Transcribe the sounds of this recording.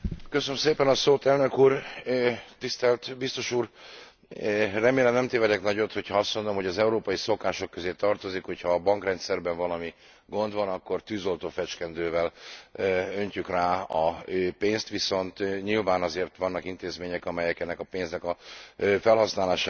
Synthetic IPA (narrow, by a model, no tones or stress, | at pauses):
køsønmseːpɛnɒsoːt̪ɛlnø̞kuːr | t̪ist̪ɛlt̪bist̪o̞ʃuːr | rɛmeːlɛmnɛmt̪eːvɛd̪ɛknɒɟot̪ho̞cʰhɒɒst̪mo̞nd̪o̞mɦo̞ɟɒzɛuɾoːpɒjiso̞kaːʃo̞kːøzeːt̪ɒrt̪o̞zikho̞cʰhɒːbɒŋkrɛnt̪sɛrbɛɱvɒlɒmi | ɡo̞nd̪vɒnɒkːo̞rt̪yːzo̞lt̪oːfɛt͡ʃkɛnd̪øːvɛl | øɲcykraːɒøːpeːnst̪ʋiso̞nt̪ɲilvaːnɒzeːrt̪ʋɒnːɒkint̪eːzmeːɲɛkɒmɛjɛkɛnːɛkɒpeːnznɛkɒfɛlɦɒsnaːlaːʃaː